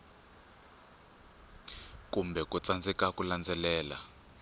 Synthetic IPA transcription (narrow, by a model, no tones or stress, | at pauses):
kumbʱɛkʼut͡sand͡zɛkakʼuland͡zɛlɛːla̰